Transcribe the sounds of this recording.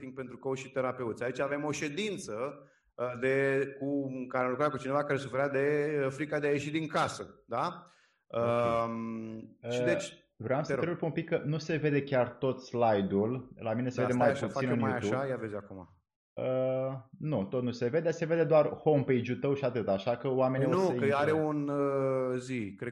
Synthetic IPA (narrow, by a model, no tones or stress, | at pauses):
t̪iŋɡ̚pe̞nt̪ɾukowʃit̪e̞ɾape̞ut̪sʲait͡ʃave̞mo̞ʃe̞d̪int̪sə | əd̪e̞kuŋkaɾelukɾakut͡ʃinevakaɾe̞sufeɾad̪e̞əfɾikad̪eaje̞ʃid̪iŋkasəd̪a | əm | id̪et͡ʃ | vɾeamsəeɾulpumpikːənuse̞ve̞d̪e̞kʲart̪o̞t̪slajd̪ullamineseed̪emajput̪fsinɨnjujaubajavezʲakuma̰ | ə | nut̪ot̪̚nuse̞ve̞d̪eese̞ve̞d̪e̞d̪oarho̞mpejd͡ʒult̪əwʃiat̪ɨt̪aʃakəoame̞nionuəaɾeunəzikɾe